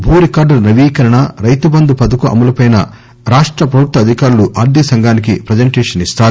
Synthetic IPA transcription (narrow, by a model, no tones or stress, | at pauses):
bʱuːɾikaːɾɖɐɾnɐʋiːkɐɾɐɳɐɾɐjt̪ubɐnd̪upɐd̪ukuʔɐ̰mɐlɐpɐjnɐ̰ | ɾaːʂʈɾɐpɾɐbʱuk̚t̪ːɐd̪ʱikaːɾuluʔaːɾd̪ʱisɐŋɡaːnik̬ipɾɐd͡ʒɐɳʈeːʂɐnist̪aːɾu